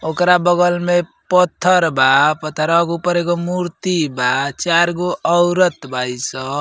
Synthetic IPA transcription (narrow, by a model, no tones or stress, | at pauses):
okɾabəɡəlme | pət̪ʰːəɾbapət̪ʰːəɾəɡupəɾeɡomuɾt̪ibat͡ʃaɾɡoʔəwɾət̪bʱaisə